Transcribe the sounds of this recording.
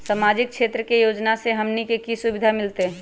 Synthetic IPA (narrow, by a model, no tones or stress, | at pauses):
samaːd͡ʒɪk̚ʃeːt̪ɾəkejoːd͡ʒnaseɦɐmnikekisʊbɪd̪ʱamɪlt̪eɦɛ